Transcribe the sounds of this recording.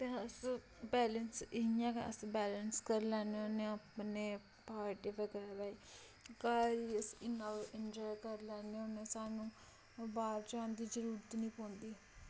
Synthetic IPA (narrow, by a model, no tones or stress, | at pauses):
t̪eːəs | bɛːlənsɪɪjãːkə̰sbɛːlənskəɾlɛːneoːnẽːaːpneː | paːɾʈeːʋəɡɾaːʋaːi | kaːɾiːəsɪnəʋɪnd͡ʒaːjkəɾlɛːneoːneːsaːnũː | baːɾd͡ʒãːnd̪iːd͡ʒəɾuːɾət̪nĩːpõːnd̪iː